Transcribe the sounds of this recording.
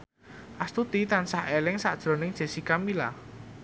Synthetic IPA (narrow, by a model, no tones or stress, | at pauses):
ʔast̪ut̪it̪ansahelɪŋsa̰ʔd̥ʒ̥ɾo̤nɪŋdʒ̥e̤sikamila̰